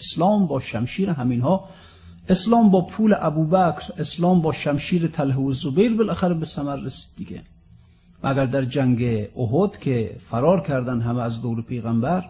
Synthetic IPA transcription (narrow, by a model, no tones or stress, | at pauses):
slɒːmbɒːʃæmʃiːɾeɦæminhɒː | eslɒːmbɒːpʰuːleʔæbuːbækʰɾeslɒːmbɒːʃæmʃiːɾet̪ʰælɦeozobejɾbelæxæɾebesæmæɾːesi̥d̪̥̚ːiɡʲḛ | mʔæɡæɾd̪æɾd͡ʒæŋɡeoɦod̪̥kʲʰefæɾɒːɾkʲʰæɾd̪ænɦæmeæzd̪owɾepʰejɣæmbæɾ